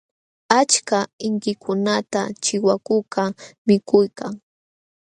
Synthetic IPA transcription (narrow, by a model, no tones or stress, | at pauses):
at͡ʃkaɪŋkɪkʰʊnat̪at͡ʃɪwakʊkamɪkʊjkaŋ